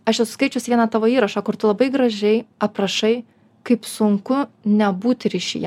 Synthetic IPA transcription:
ɐʃjɛsʊ̥skɐɪt͡ʃʲoʊsɪʋʲiɛnɑt̪ɑːʋoːiːɾɐʃɑːkʊɾt̪ʊlˠɐbɐɪɡɾɐʒʲɛɪɐpɾɐʃɐɪ | kɐɪpsʊŋkʊnʲɛbuːt̪ʲɾʲiʃʲḭjɛ

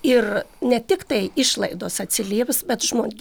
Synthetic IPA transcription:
ɪrnʲɛt̪ʲɪkt̪ɐɪɪʃlˠɐɪd̪oːsɐt̪ʲsʲɪlʲiːʋʲsbʲɛt̪ʒmoːɡʲ

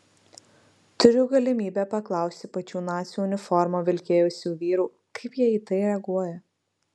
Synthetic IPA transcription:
t̪ʊɾʲʊɡɐlʲɪmʲiːbʲæpɐklˠɑˑʊsʲt̪ʲɪpɐt͡ʃʲuːnɑːt̪sʲuːʊnʲɪfɔɾmoːʋʲɪlʲkʲeːjʊsʲuːʋʲiːɾuː | kɐɪpjiɛiːt̪ɐɪɾʲɛɐɡuɔjɛ

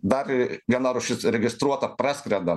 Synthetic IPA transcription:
d̪ɐrʋʲiɛnɐɾʊʃʲɪsɾʲɛɡʲɪst̪ɾuɔt̪ɐpɾɑːsʲkɾʲɛd̪ɐ

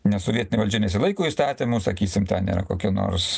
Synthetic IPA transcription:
nʲɛsɔʋʲiɛtʲɪnʲɛʋɐlʲd͡ʒʲɛnʲɛs̬ʲɪlˠɐɪkuːist̪ɑːt̪ʲimuːsɐkʲiːsʲɪmt̪ʲɛnnʲḭːɾɐ̰ko̰ːkʲɛno̰ːrs

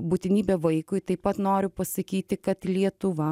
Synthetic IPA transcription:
buːt̪ʲɪnʲiːbʲɛʋɐɪkʊɪt̪ɐɪpɐt̪noːɾʲʊpɐsɐkʲiːt̪ʲɪkɐt̪lʲiɛt̪ʊʋɐ

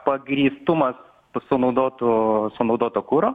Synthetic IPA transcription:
pɐɡɾʲist̪umɐs | sunud̪ɔt̪usɔnud̪ɔt̪ɔkuɾɔ

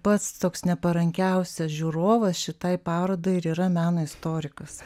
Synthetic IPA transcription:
pɐt̪st̪oːksnʲɛpɐɾɐŋʲkʲɛʊsʲɛsʒʲuːɾoːʋɐsʃʲɪt̪ɐɪpɑːɾoːd̪oːɪɾiːɾɐmʲæːnoːɪst̪oːɾʲɪkɐs

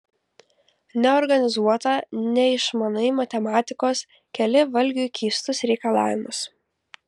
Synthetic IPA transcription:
nʲɛɔɾɡɐnʲɪzuɔt̪ɐnʲɛɪʃmɐnɐɪmɐt̪ʲɛmɑːt̪ʲɪkoːs | kʲɛlʲɪʋɐlʲɡʲʊjukʲiːst̪ʊsɾʲɛɪkɐlˠɑ̰ːʋʲɪmʊs

